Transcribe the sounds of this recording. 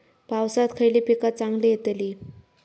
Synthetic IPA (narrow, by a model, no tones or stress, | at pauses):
pawsat̪kʰəjliːpikat̪̚t͡saŋɡlijet̪li